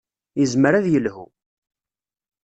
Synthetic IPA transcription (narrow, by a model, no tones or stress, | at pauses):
jəzməɾæðjəlhṵ